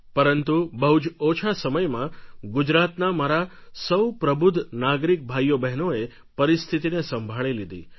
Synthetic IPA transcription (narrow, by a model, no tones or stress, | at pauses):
pəɾənt̪ubəɦud͡ʒot͡ʃʰasəməjmãɡud͡ʒɾat̪namaɾasəwpɾəbʊd̪ʱnaɡɾik̚bʱajːobɛɦnoe | pəɾist̪ʰit̪inesəmbʱaɭilid̪ḭ